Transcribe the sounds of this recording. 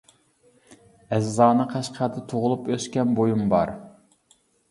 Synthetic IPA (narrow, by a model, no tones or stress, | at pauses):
ɛzːɑːnɨqʰæʃqʰæd̪ɨt̪ʰoʁʊlˠupøskʲɛnbojumbɑ̰ɾ